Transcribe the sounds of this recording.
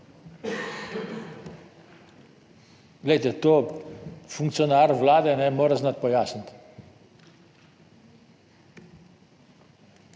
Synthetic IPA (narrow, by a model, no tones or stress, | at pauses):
lejt̪et̪o | fuŋkt̪sjonaɾvlad̪enɛmɔɾəsnat̪̚pɔjasənt̪